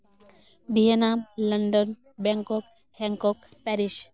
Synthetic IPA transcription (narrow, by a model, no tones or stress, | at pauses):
bʱienamlənɖɔn | bɛŋkɔk | hɛŋkɔk | pɛɾiʃ